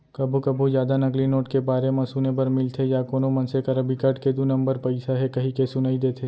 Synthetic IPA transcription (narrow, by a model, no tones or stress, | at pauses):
kɐbʱukɐbʱuzjaːd̪anɐklinoːʈkebaːɾemɐ̃suːnebɐɾmɪlt̪ʰejaːkoːnomɐ̃nsekɐɾɐbʱikɐʈked̪unɐ̃mbəɾpɐɪsaɦɛkɐɦikesʊnaid̪eːt̪ʰeː